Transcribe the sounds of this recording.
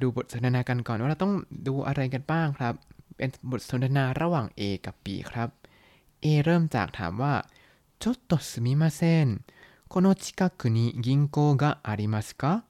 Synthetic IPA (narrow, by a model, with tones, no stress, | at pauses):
duː˧bo˨˩t̪̚so˨˦nt̪ʰa˧naː˧ka˧nkɔ˨˩nwaː˥˧a˧˦t̪ɔ˥˩ŋduː˧ʔa̰˧ɾa˧jka˧nbaː˥˩ŋkʰɾa˦˥p̚ːe˧nbo˨˩t̪̚so˨˦nt̪ʰa˧naː˧ɾa˧waː˨˩ŋʔeː˧ka˨˩pːḭː˨˩kʰɾa˦˥p̚ | ʔeː˧ɾɤː˥˩mt͡ɕa̰ː˨˩k̚t̪ʰa̰ː˩˦mwaː˥˩ | t͡ɕo˦˥t̪ːo˨˩sɯ˨˧mi˦˥maː˧se˥˩n | kʰo˧no˦˥t͡ɕʰi̥˦ka˧˥kʰːɯ˨˦niː˦˥ɡi˧ŋkoː˧ɡa˦˥ʔa˧ɾi˧ma˧skɔ˦˥